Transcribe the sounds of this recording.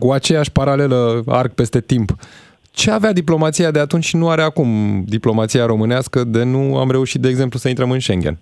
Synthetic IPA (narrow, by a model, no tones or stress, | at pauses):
kuat͡ʃe̞jaʃʲpaɾale̞ləa̰rk̚pe̞st̪e̞t̪imp | t͡ʃe̞avead̪iplo̞mat̪sijad̪eat̪unt͡ʃʲnuaɾeakumd̪iplo̞mat̪sijaɾo̞mɨneaskəd̪e̞nua̰mɾe̞uʃit̪̚d̪eːɡze̞mplusəint̪ɾəmɨnʃe̞ŋɡʲḛn